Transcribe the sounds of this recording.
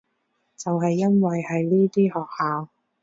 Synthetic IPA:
t͡sɐ˨wɦɐ˨jːɐ˥nwɐ˨jhɐ˨jliː˥t̪iː˥hɔː˨k̚haː˨˧w

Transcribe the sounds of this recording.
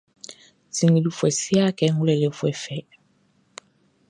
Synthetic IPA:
si˨ŋi˨lu˨fwɛ˨si˦a˦kɛ˦ŋ˦ɡu˦lɛ˨le˨fwɛ˨fɛ˨

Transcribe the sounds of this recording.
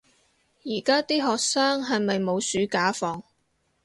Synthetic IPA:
jiː˨˩kaː˥t̪iː˥ɦɔː˨k̚saː˥ŋɦɐ˨jmɐ˨jmo˨˧wsyː˨˥kaː˨˥fɔː˧ŋ

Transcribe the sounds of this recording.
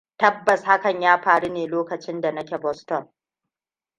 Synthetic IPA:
tɐ˦bːɐ˨sha˦kɐ˨ɲjaː˦ɸaː˨ɽu˦neː˨loː˦kɐ˨t͡ʃɪ˦nda˨nɐ˦kʲe˨bɔ˦stɔ˦˨n

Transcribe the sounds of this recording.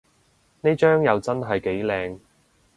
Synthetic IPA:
ne˥jt͡ʃœː˥ŋjɐ˨˧wt͡sɐ˥nɦɐ˨jke˨˥jlɛː˨˧ŋ

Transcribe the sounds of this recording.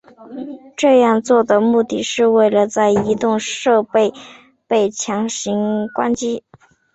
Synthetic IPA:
ʈ͡ʂɤ˥˧jɑ˥˧ŋt͡swɔ˥˩d̪ə˩mu˥˧t̪i˥˩ʂɻ̩˥˧we˥˩ɪlə˩t͡sa˥˩ɪi˧˥t̪ʊ˥˧ŋʂɤ˥˧pe˥˩ɪ | pe˥˩ɪt͡ɕʰjɑ˧˥ŋɕi˧˥ŋkwa̰˥nt͡ɕi˥

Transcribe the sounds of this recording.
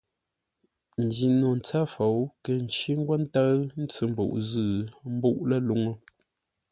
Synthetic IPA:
n̩˨di˨no˨n̩˨t͡sa˦fo˨wkə˨n˨t͡ʃi˦ŋ̩˦ɡwa˦n̩˦ta˦n̩˦t͡sɨ˦m̩˦bo̰˨ʔzɨ˦˨m̩˦bu˦˨ʔlə˦lu˦ŋə˦

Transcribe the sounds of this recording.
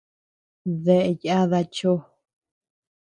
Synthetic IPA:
ðe˧ʔe˧ja˦ða˧t͡ʃo˦

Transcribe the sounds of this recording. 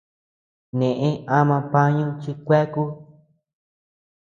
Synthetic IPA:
nẽ˨ʔẽ˦a˦mã˧pã˦ɲũ˦t͡ʃi˧kʷe˦ku˦

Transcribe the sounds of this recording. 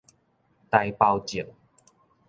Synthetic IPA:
t̪a˧jpa˧wt͡ɕi˨˩ŋ

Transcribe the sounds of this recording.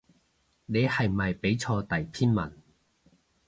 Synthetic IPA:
ne˨˧jhɐ˨jmɐ˨jpe˨˥jt͡sʰɔː˧t̪ɐ˨jt̪ʰiː˥nmɐ˨˩n

